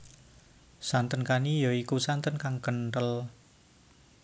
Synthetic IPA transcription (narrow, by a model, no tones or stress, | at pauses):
sant̪ənkanijɔikusant̪ənkaŋkənʈəl